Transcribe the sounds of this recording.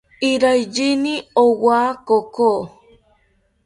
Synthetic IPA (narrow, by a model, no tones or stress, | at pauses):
iɾajd͡ʒiniowaːkoko